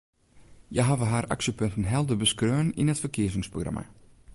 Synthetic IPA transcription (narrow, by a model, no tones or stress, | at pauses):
jajɦavəɦaːɾʔa̰ksjəpøntən̩ɦɛlˠdəbəskrøːəninətfərkʰɪəzɪŋsproɣra̰mʔa̰